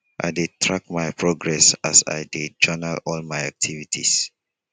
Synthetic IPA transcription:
ʔa̰jdetʰɹakmajpʰɹoɡɹɛsasa̰jded͡ʒɔnalɔlmaɪak̚tʰivitʰḭs

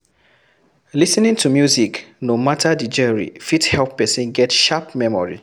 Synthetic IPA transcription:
lisnĩntʰumjuziknomatʰadid͡ʒəɹḭfithɛlpːɛsĩnɡɛtʃapmɛmɔ̰ɹḭ

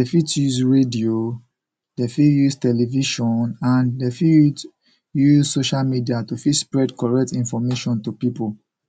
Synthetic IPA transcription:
defitjuzɹedio | defijuztɛlɛviʃɔ̃nãndefid | juzsoʃalmidiatufidspɹɛdkɔɹɛk̚tĩnfɔmeʃɔ̃ntupipol

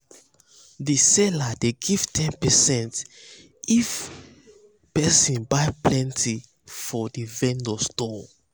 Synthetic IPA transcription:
disɛladeɡiv̥tʰɛ̃npɛsɛ̃nt | if | pɛsĩnbajplɛ̃ntʰi | fɔdivɛ̃ndɔstɔ

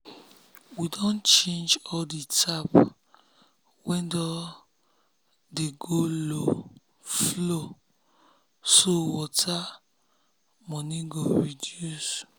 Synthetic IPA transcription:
widõnt͡ʃẽnd͡ʒɔlditʰap | wɛ̃ndɔ | deɡolo | flo | sowɔtʰa | mɔ̃niɡoɹidjus

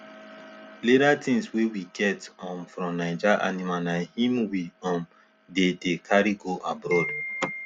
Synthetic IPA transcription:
leɾatĩŋswewiɡɛtɔ̃mfɾɔ̃mnad͡ʒaʔa̰nimanahĩmwiɔ̃m | dedekʰaɾiɡoʔabɾɔd

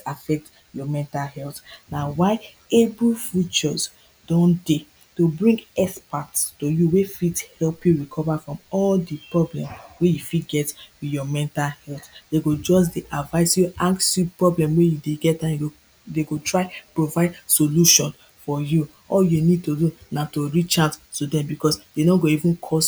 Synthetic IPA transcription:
afɛk̚t | jɔmɛ̃ntalhɛltnawaɪ | ebulfit͡ʃɔs | d̥ɔ̃nde | tobɹĩŋɡɛspatstojuwefithɛlpjuɹikʰɔvafɹɔ̃mɔldipɹɔblɛ̰̃mwejufitɡɛtwijɔmɛ̃ntalhɛlθd̥eɡod͡ʒɔsdeʔavaɪsjuʔaksjupɹɔblɛ̃mwejudeɡɛt̚dãjɡo | deɡotɹaɪpɹovaɪdsoluʃɔ̃n | fɔju | ɔljunid̚todunatoɹit͡ʃãnstodɛ̃mbikɔsd̥enoɡoivũnkʰɔs

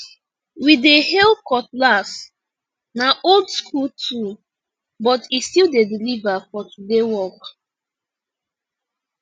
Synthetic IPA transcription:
widehɛlkɔtlas | naʔoldskʰultʰu | bɔtistilˠdedilivafɔtudewɔk

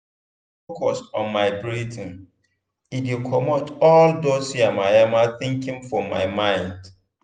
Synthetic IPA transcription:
ff | okɔsɔ̃nmaɪbɹitĩn | idikʰɔmotɔldosiamajamaθɪ̃ŋkɪ̃ŋfɔma̰ɪmãɪ̃nd

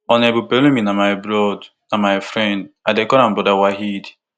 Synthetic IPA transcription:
ɔnebupelumĩnamajbɾɔd | namaɪfɾɛ̃ndadekɔɾãmbɔdawaɦid

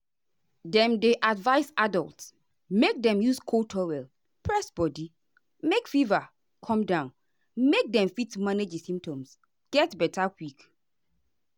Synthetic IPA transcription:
dɛ̃mdeʔadvaɪsadɔlˠts | mek̚dɛ̃mjuskʰotʰɔwɛl | pʰɹɛsbɔdi | mekfiva | kʰɔ̃mdãʊ̃n | mek̚dɛ̃mfitːumaned͡ʒsĩmp̚tɔ̃ms | ɡ̥ɛtbɛtʰakwik

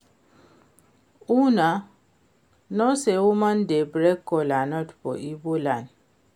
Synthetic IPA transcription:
una | nɔseumandebɾɛkːɔlanɔtpɔ̰ʔibolan

